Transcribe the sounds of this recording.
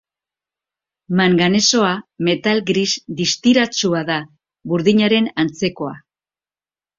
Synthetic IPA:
maŋɡane̞so̞ame̞t̪alɡɾisd̪ist̪iɾat͡suaða | βuɾðiɲaɾe̞nant͡se̞ko̞a̰

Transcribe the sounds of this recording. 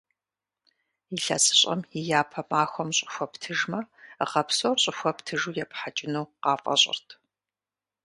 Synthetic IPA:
jiɬɐ̰sʼɨ̥ɕʼɐ̰mɪjaːpʰɐmaːxʷɔmɕʼɪ̥xʷɔptʰɨʒmɐʁɐpsoːrɕʼɪxʷɐptʰɨʒuːjɛpħat͡ʃʼɪnuːqɑːfʼɐ̰ɕʼɪ̰rtʰ

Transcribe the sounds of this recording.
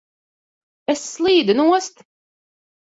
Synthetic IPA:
ɛsːlˠiːd̪ɨnuɔst̪

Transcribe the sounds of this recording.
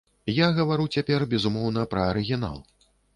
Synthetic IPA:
jaɣɐvaɾut͡sʲapʲɛrbʲɛzumɔwnɐpɾɐːɾɨɣʲin̪a̰lˠ

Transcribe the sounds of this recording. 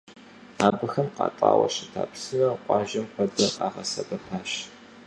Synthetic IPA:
aːbɨxɐmqɑ̰ːtʼɑ̰ːwɐ̰ɕɪtʰa̰ːpsɨnɐqʷʼɑːʒɐmqʷɔdɐaːʁɐsɐbɐpʰaːɕ

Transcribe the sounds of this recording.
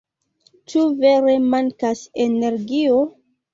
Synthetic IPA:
t͡ʃuve̞ɾe̞maŋkasene̞ɾɡio

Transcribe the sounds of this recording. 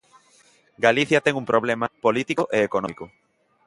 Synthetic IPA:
ɡaliθjɐt̪eŋumpɾʔoβlemapolit̪ikoʔeekonomiko

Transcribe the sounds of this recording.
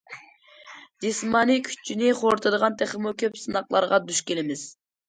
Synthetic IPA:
d͡ʒismɑnikʲʰy̥t͡ʃʰːinɪχoɾt̪ʰɨd̪əʁɑnt̪ʰeχəmukʲʰøpsɨnɑqlˠɑ̰ɾʁɑd̪yʃkʲelɪmɪz̥

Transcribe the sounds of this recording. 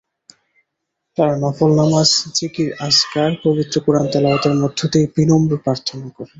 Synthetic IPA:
t̪aɾnɔfolnamast͡ɕikiɾaskaɾpobit̪ːɾokuɾant̪ɛlaot̪eɾmod̪ʱːot̪ejpɾinombuɾpɾaɾt̪ʰːonakɔɾe

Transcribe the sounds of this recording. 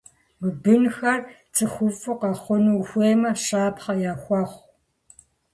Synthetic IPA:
mɨbɨnxɐr | t͡sʰʼɨxʷʊfʼɨqɑχʷʊnuwxʷeːmɐɕaːpχɐjaːxʷɑχʷ

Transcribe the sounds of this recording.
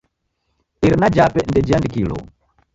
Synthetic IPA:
iɾinad͡ʒapɛndɛd͡ʒiandikilɔ̰

